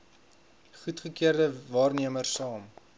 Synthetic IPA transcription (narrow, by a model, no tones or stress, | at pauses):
χutχəkiərdəvɑːrniəmərsɑːm